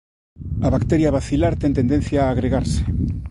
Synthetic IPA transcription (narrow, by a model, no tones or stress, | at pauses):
aβakt̪eɾjaβaθilaɾt̪ent̪end̪en̟θjaːɣɾeɣaɾse̥